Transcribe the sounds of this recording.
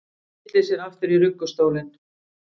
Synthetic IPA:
t̪lɪsɛɾaft̪ʏɾirʏkːʏst̪oːwlɪn

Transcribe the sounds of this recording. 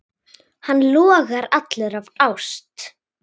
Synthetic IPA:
hanːlɔːɣaɾat̪lɛɾavawst̪

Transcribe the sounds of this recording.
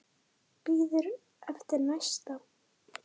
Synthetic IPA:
biðəɾ | æft̪ənæʃt̪ˤɑ

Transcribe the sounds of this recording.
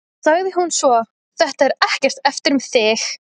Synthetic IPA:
saɣðɪɦunsvɔ | θɛht̪aɛɾɛhcɛr̥t̪ɛft̪ɪɾʏmθɪx

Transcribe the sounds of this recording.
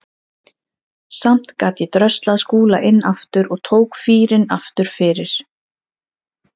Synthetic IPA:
sam̥t̪kaːt̪jɛt̪ɾœst̪laðskuːlaʔɪnːaft̪ʏɾɔɣt̪ʰoːwkfiːɾɪna̰ft̪ʏɾ̥fɪːɾɪɾ̥

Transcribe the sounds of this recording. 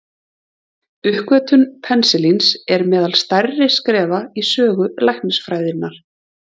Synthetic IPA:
ʏhkvœːt̪ʏnpʰɛnsɪlinsɛɾmɛːðalst̪arɪskɾɛːvaisœːɣʏlajhnɪsfɾaːjðɪnːaɾ̥

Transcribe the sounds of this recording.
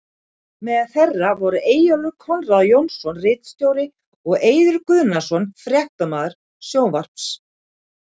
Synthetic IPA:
mɛððθɛrːavɔɾʏʔeːjalʏkʰɔnraðjownsɔnrɪːt̪st̪joːwɾɪ | ɔɣeːjðʏɾkʏðnasɔnfɾjɛht̪amaːðʏɾ̥ | sjoːwvar̥ps

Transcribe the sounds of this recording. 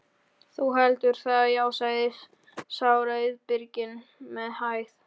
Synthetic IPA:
θuɦɛlt̪ʏɾ̥θaðjaːwsajðɪs | sawɾajɪðpɪɾcɪnmɛðhajθ

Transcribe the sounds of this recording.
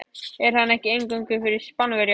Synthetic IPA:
ɛɾ̥hanːɛhcɪejŋkʏŋkʏfɪɾɪɾ̥spanvɛɾj

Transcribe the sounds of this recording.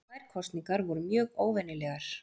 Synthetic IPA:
vaːjɾ̥kʰɔst̪niŋkaɾvɔɾʏmjœːɣoːwvɛnːɪlɛɣaɾ̥

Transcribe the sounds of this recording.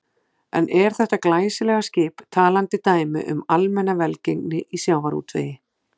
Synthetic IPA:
ɛ̰nʔɛɾ̥θɛht̪aklaːjsɪlɛɣascɪːpt̪ʰaːlant̪ɪt̪aːjmɪ̰ʔʏmalmɛnːavɛlcejŋknɪʔisjawvaɾṵːt̪vḛːjɪ

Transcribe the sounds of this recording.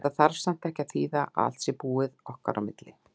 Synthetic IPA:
t̪aðθaɾsan̥t̪ʰɛhcaθiːðaa̰l̥t̪sɪpuːɪðɔhka̰ɾʔa̰wmɪt̪lɪ

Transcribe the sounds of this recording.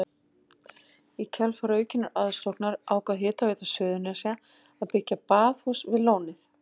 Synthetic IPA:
icʰɛlfaɾœːɥcɪnaɾʔaðst̪ɔknaɾaːwkaɦɪːt̪avejt̪asœːðʏnasɛa | aðpɪcːapaːðhuːsvɪðloːwnɪθ

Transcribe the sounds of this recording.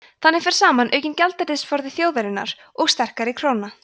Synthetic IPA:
θanːɪfɪɾ̥saːmanʔœ̰ːɥcɪncalt̪ɛɾɪsfɔɾðɪθjowðɛɾɪnːa̰ɾ̥ | ɔɣst̪ɛr̥kaɾɪkʰɾ̥oːwna

